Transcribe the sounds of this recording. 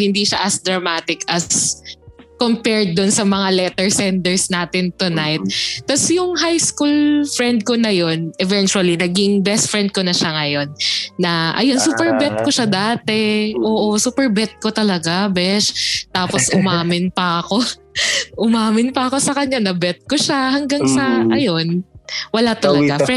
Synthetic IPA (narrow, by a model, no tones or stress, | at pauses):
hɪnd̪iʃaʔɐsd̪ɾɐmaːt̪ɪkɐs | kompɛɹd̪̚ːʊnsɐmɐŋalɛt̪ɛɹsɛnd̪ɛɹsnaːt̪ɪnt̪ʊnajt̪̚ːɐsjʊŋɦajskulfɹɛnd̪̚konɐjo̞nʔɛvɛnt͡ʃʊɐlinɐɡiŋbɛst̪fɹɛnd̪̚konɐʃaŋɐjo̞nːɐʔɐ̰jo̞nsuːpɛɹbɛt̪̚koʃad̪aːt̪ɛʔoːʔosuːpɛɹbɛt̪̚kot̪ɐlɐɡabɛʃt̪aːposʔʊmaːmɪnpɐʔɐko̞ | ʔʊmaːmɪnpɐɐko̞sɐkɐɲːanɐbɛt̪̚koʃahɐŋɡaŋsɐʔɐjonwɐlat̪ɐlɐɡaɛ